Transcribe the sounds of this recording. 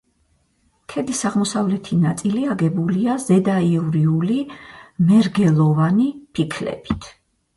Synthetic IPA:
kʰɛd̪isaʁmɔsavlɛt̪ʰinat̪sʼiliaɡɛbuliazɛd̪aiuɾiulimɛɾɡɛlˠɔvanipʰikʰlɛ̰b̥it̪ʰ

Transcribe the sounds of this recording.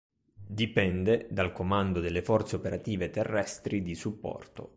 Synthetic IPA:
d̪ipɛnd̪ed̪alkomand̪od̪elːefɔrt̪seopeɾat̪iːvet̪erːɛst̪ɾid̪isupːɔ̰rt̪o̰

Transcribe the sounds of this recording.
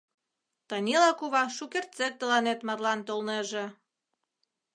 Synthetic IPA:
t̪ɑnʲilɑkuβɑʃukert̪t͡sek̚t̪əlɑnet̪mɑrlɑnt̪olneʒĕ

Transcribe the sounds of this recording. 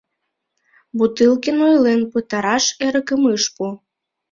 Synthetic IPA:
but̪ɨlˠkenojlenpɨt̪ɑɾɑʃeɾəkəməʃpu

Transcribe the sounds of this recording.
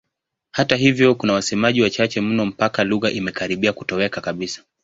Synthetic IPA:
hataɦivjɔkunawasɛmaʄiwat͡ʃat͡ʃɛm̩nɔm̩pakaluɣaʔimɛkaɾiɓiakutɔwɛkakaɓisḁ

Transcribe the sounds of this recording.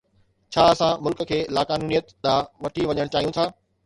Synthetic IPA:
t͡ɕʰaːɐsãmʊlkkʰeːlaːkaːnuːnijət̪ɗ̪aʋɐʈʰiʋɐɲəɽ̃t͡ɕaːɦijũt̪ʰaː

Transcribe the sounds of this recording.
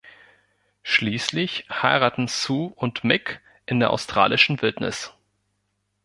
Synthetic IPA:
ʃliːslɪçhaɪʁaːtn̩suːʊntmɪk | ʔɪndeːɐʔa̰ʊstʁ̥a̰ːlɪʃn̩vɪltnɪ̰s

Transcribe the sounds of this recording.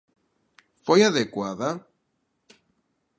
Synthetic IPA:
fojaðekwaða

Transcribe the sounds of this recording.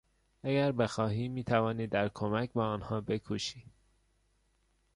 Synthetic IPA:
æɡæɾbexɒːɦiːmiːt̪ʰævɒːniːd̪æɾkʰomæcbɒːɒːnhɒːbe̞kʰuːʃiː

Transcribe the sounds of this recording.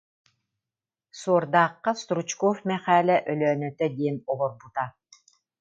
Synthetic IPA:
suɔɾd̪aːqːast̪ɾut͡ʃkɔfmɛχaːlʲɛʔœlœːnœt̪œd̪iɛnɔlɔɾbut̪a

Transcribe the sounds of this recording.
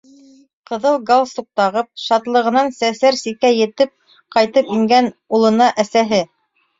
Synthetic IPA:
qɤ̆ðɤlˠɡalˠsuq̚t̪ɑʁɤp̚ʃɑt̪lˠɤ̆ʁɤ̆nɑnsæsæɾsikæjɘ̆t̪ɘp̚ | qɑjt̪ɤpiŋɡænulˠɤ̆nɑʔæsæɦɘ

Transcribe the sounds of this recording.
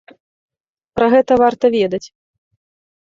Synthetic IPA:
pɾɐɣɛt̪ɐvart̪ɐvʲɛd̪ɐt͡sʲ

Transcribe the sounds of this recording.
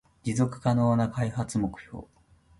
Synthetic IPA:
d͡ʑizo̞kɯ̟̥kano̞ːnakaihat͡sɨmo̞kɯ̟̥ço̞̰ː

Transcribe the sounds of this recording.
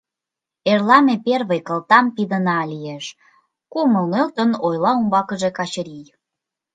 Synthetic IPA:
erlɑmeperβəjkə̆lt̪ɑmpid̪ənɑlieʃ | kumə̆lnølt̪ənojlɑumbɑkəʒekɑt͡ɕəɾij

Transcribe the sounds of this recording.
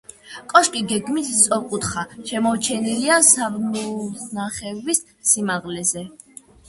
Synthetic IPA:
kʼɔʃkʼiɡɛɡmit̪ʰt̪sʼɔqʼut̪χaʃɛmɔwt͡ʃʰɛniliasabnunaχɛvisː | imaʁlɛzɛ

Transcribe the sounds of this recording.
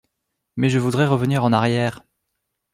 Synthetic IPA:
mɛʒəvud̪ʁɛʁəvəniʁɑ̃naʁjɛːʁ

